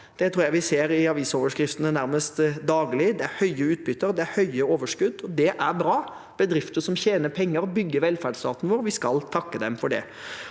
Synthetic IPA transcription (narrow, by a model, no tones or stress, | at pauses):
d̪̥ɛt̪ʰɾuːɾjæɪʋɪseːɾɪɑʋiːsoːʋəʂkɾɪft̪ənənæɾməst̪d̪ɑːɡlɪd̪ɛæɾhœʏəʉːt̪̚bʏt̪ːəɾd̪ɛæɾhœʏəoːʋəʂkʉd̪ːɔd̪ɛʔæɾbɾɑː | b̥əd̪ɾɪft̪əsɔmçeːnəpʰɛŋːəɾbʏɡːəʋɛlfæɖst̪ɑːt̪nəʋoːɾʋɪskɑlt̪ʰɑkːəd̪ɛmfɔɖɛ̰